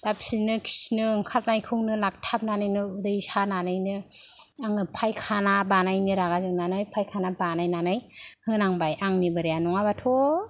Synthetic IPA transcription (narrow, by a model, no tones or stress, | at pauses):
d̥apsinɯkʰi̥snɯŋkʰat̚najkʰɯŋnɯlak̚tʰap̚nanɯjnɯudɯjsananɯjnɯaŋɯpʰajkʰanabanajnɯɾaɡazɯŋnanɯjpʰajkʰanabanajnanɯjhɯnaŋbajaŋnibɯɾejanɔŋabatʰɔ